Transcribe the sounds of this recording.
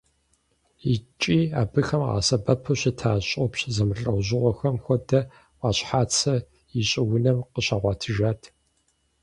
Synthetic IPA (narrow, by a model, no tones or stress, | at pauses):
it͡ʃʼiːa̰ːbɨxɐmʁa̰ːsɐbɐpʰɐɕɪtʰaːɕʼɔpɕzɐmɨɬʼɐwʑɪʁʷɔxɐmxʷɔdɐ | ʔɑːɕħaːt͡sʰɐ | iɕʼɪwʊnɐmqəɕaːʁʷɑːtʰɨʒaːtʰ